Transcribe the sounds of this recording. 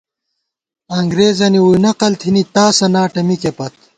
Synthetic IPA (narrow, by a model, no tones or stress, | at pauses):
ɐŋɡɾeːzɐniwujnɐqɐlt̪ʰinit̪aːsɐnaːʈɐmikepɐt̪̚